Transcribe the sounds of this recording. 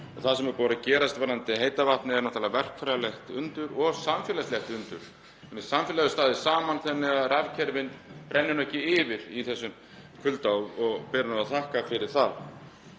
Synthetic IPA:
ɔθasɛmɛɾpɔːɾacɛːɾast̪vaɾant̪ɪɦeːjt̪avaht̪nɪɛɾnawt̪ʰaːlavɛr̥kfɾaðalɛxt̪ʏnt̪ʏɾɔɣsamfjɛlɛslɛhxt̪ʏnt̪ʏɾ̥ | ɛnɛsamfjɛlaðʏst̪aːðɪsaːmanθɛnːɪɣaðravcʰɛɾvɪnpɾʔɛnːɪnœhcɪɪvɪɾiθɛsːʏm | kʰvʏlt̪awɔɣpɛːɾanaaθʰahkafɪɾɪɾ̥θað

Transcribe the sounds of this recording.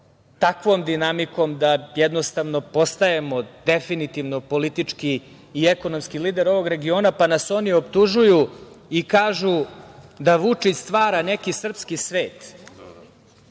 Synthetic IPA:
t̪akʋo̞ːmd̪inamiko̞md̪ajɛd̪nost̪aʋno̞po̞st̪aemo̞d̪efinit̪iʋno̞po̞lit̪it͡ʂkiː | eko̞no̞mskiliːd̪eɾo̞ʋo̞ɡɾe̞ɡio̞ːnapanaso̞nio̞pt̪uʒuju | ikaːʒud̪aʋut͡ʂit͡ɕst̪ʋaːɾane̞kisr̩pskisʋeːt̪

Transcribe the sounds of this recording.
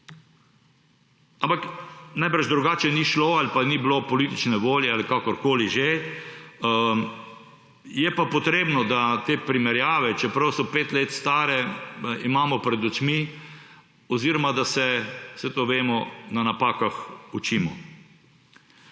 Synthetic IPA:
ampaknajbɾaʒd̪ɾuɡaːt͡ʃɛniʃloalipaniblopɔliːt̪it͡ʃnɛʋoːljɛalikakɔɾkoːliʒe | jɛpapɔt̪ɾeːbnɔd̪at̪eːpɾimɛɾjaːʋɛt͡ʃɛpɾɐwsɔpeːt̪leːt̪st̪aːɾɛimaːmɔpɾɛd̪ut͡ʃmi | ɔziɾɔmad̪asɛsɛt̪oʋeːmɔnanapaːkaxut͡ʃiːmɔ

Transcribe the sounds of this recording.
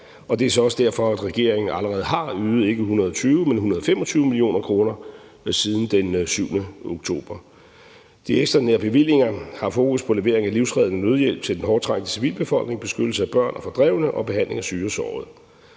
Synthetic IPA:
ɒ̽d̥e̝æɐs̬ɒ̽ɒ̽səd̥æɐ̰fɒ̽æd̥ʁɛɡ̥e̝ɐ̰e̝ŋn̩æləʁɛːð̩ˠɦɑ̈yːð̩ˠe̝ɡ̥əhunɐð̞ˠɒt͡sʰyːʊəmenhunɐð̩ˠfemɒ̽t͡sʰyːʊəmilio̝̰ːnɐkʰʁo̝ːnɐ | siːð̞ˠn̩d̥ensyʊnəoɡ̥t͡sʰo̝̰ːb̥ɐ | d̥ieɡ̥sd̥ɐneɐb̥e̝ʋil̰je̝ŋɐhɑ̈fo̝ːkuspʰɒ̽le̝ʋe̝ɐeŋæliʊ̰sʁɛð̞ˠnənøð̞ˠjel̰b̥t͡sʰe̝ldenɦɒ̥ːt͡sʰʁɑ̈ɡ̥d̥ə̥siʋḭːlb̥e̝fɒ̽l̰ɡ̥ne̝ŋb̥e̝sɡ̥ødl̩səæb̥ɶɐ̰nʔfɑ̈d̥ʁɛʊ̰nəʔɒ̽b̥e̝ɦæn̰le̝ŋæsyːɐsɒ̰ːð̩ˠ

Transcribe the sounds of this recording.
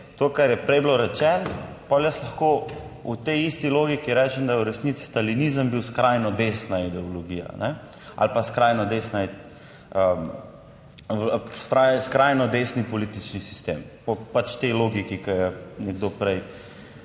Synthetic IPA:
t̪okaɾjɛpɾɛjbloɾɛt͡ʃɛnpɔljəslɐxkout̪ɛjist̪iloːɡikiɾɛt͡ʃɛmd̪ajɛuɾɛsnit̪si̥st̪alinizəmbiwskɾajnɔd̪esnaid̪ɛɔlɔɡiːja̰nɛ | a̰lpaskɾajnɔd̪esna | ə | skajskɾajnɔd̪esnipɔlit̪it͡ʃnisi̥st̪ḛmpɔpat͡ʃt̪ɛjloːɡikikɐjɛnɛɡd̪opɾɛj

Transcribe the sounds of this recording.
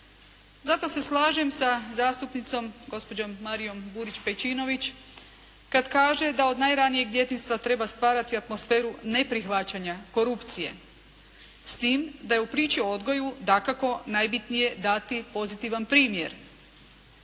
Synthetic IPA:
zat̪o̞se̞slˠaːʒe̞msazaːst̪upnit̪so̞mɡo̞spo̞d͡ʑo̞mːaɾijo̞mbuɾit͡ɕpe̞t͡ɕino̞ʋit͡ɕ | kad̪kaːʒe̞d̪ao̞d̪najɾanije̞ɡd̪je̞t̪inst̪ʋat̪ɾe̞bast̪ʋaːɾat̪iat̪mo̞sfe̞ːɾune̞pɾixʋat͡ɕaɲako̞ɾupt̪sije̞̰ | st̪iːmd̪ajeupɾiːt͡ɕiood̪ɡo̞jud̪akako̞najbit̪nije̞d̪at̪ipo̞zit̪iʋanpɾiːmje̞ɾ

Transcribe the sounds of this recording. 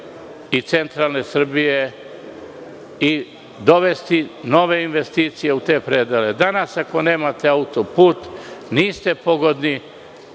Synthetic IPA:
it̪se̞nt̪ɾalˠne̞sr̩bije̞ | i | d̪o̞ʋe̞st̪ino̞ʋe̞inʋe̞st̪iːt̪sije̞ut̪e̞ːpɾed̪ele̞d̪anasako̞ne̞ːmat̪e̞aut̪o̞puːt̪niːst̪e̞po̞ɡo̞d̪ni

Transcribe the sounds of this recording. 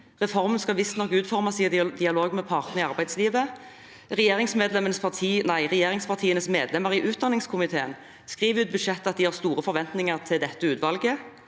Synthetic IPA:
ʁɛfɔʁmənskɑlʋɪst̪nɔkːʉːt̪fɔʁmɑsiːəd̪d̪ɪɑloːɡmɛpʰɑʁt̪nəʁɪɑʁbæɪd̪sliːʋə | ʁɛjeːʁɪŋsmeːd̪lɛmənəspʰɑʁt̪ʰiːnæɪʁɛjeːʁɪŋspʰɑʁt̪ʰiːənəsmeːd̪lɛməʁɪʔʉːt̪̚d̪ɑnːɪŋskʰʊmɪt̪ʰeːən | skʁiːʋəʉːt̪̚bʉʃɛt̪ːəɑt̪̚d̪ɪhɑʁst̪uːʁəfɔɾʋɛnt̪nɪŋəʁt̪ʰɪld̪ɛt̪ːəʉːt̪ʋɑlɡə

